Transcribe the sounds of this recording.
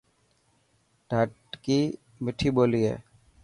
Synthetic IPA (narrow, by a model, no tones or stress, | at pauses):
ɖʱəʈkiː | mɪʈʰiːboːliːḛː